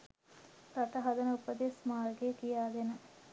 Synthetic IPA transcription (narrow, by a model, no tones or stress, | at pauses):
ɾɐʈɐɦɐd̪ɐnəupɐd̪esmaːrɡekijaːɡ̪enə